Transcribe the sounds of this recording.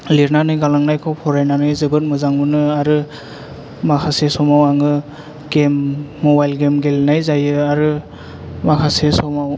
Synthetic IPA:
liɾnanɯjɡalaŋnajkʰɔwpʰɔɾajnanɯjzɯbɯt̚mɯzaŋbɯnɯaɾɯ | makʰasesɔmawaŋɯ | ɡemːɔbajlɡemɡelnajzajɯaɾɯ | makʰasesɔmaw

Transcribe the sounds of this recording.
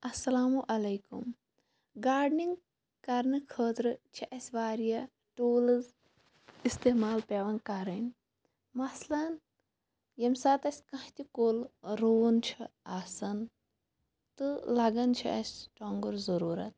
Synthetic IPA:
ɐsːɐlaːmuʔɐlɐjkṵm | ɡaːɖniŋɡ | kɐɾnɨkʰəːt̪ɾɨt͡ʃʰiʔɐsʲʋaːɾijɐ | ʈoːlɨz | ist̪eːmaːlpʲeːʋɐnkɐɾɐnʲ | mɐslɐn | jɐmʲsaːt̪ɐsʲkɐ̃ht̪ʲikolɾoːnt͡ʃʰiaːsɐn | t̪ɨlɐɡɐnt͡ʃʰiʔɐsʲʈoːŋɡuɾzɐɾuːɾɐt̪̚

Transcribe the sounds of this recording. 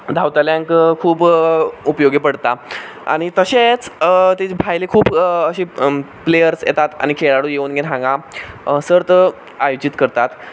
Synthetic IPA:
d̪ʱawt̪aljãŋkkʰuːbupəjoɡepəɽt̪a | a̰ɽ̃it̪əɕet͡st̪et͡ɕbʱajlekʰuːbəɕiplejəɾsjḛt̪at̪a̰ñikʰeɭaɽujeunɡenɦãŋɡãsəɾt̪ə | ajud͡ʑit̪kəɾt̪at̪

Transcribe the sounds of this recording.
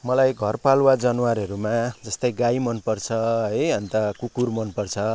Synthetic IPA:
mʌlajɡʱʌrpalwad͡zʌnwaɾɦʌɾumad͡zʌst̪ʌjɡajmʌnpʌrt͡sʰʌʌjʌnt̪ʌkukurmʌnpʌrt͡sʰʌ

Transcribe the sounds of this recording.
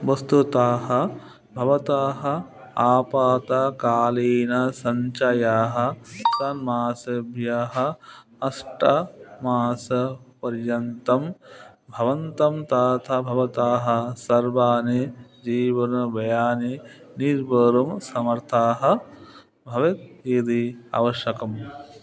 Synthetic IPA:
ʋɐst̪ut̪aːɦɐ̆ | bʱɐʋɐt̪aːɦɐ̆ | aːpaːt̪akaːliːnɐsɐɲt͡ʃajaːɦɐ̆sɐnmaːsɐbʱjaːɦɐ̆ | ɐsʈɐmaːsɐpɐɾjɐnt̪ɐm | bʱɐʋɐnt̪ɐmt̪aːt̪ʰɐbʱɐʋɐt̪aːɦɐ̆sɐɾʋaːnid͡ʒiːʋɐnɐʋɐjaːniniɾbɐɾɐmsɐmɐɾt̪ʰaːɦɐ̆ | bʱɐʋit̪̚id̪ia̰ːʋɐʃjɐkɐm

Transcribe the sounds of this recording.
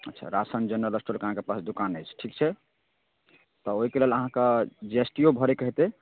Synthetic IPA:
ətːʃʰa̰ɾasand͡ʒənːələsʈolkəɦãkepasd̪ukanəjt͡ʃʰʈʰikt͡ʃʰɛ | t̪ɔoɦikeleləɦãked͡ʒesʈijobʱəɾekəɦt̪e

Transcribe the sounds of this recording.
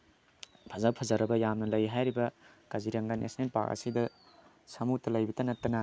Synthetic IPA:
pʰɐzawpʰɐzaɾɐbɐjamnɐlɐjɦajɾibɐ | kɐziɾɐŋɡanʔḛsnenpa̰kɐ̰sidɐ | sɐmutːɐlɐjbitɐnɐtːɐnɐ

